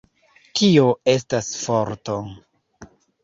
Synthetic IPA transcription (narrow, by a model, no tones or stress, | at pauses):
tioe̞s̬tasfoɾto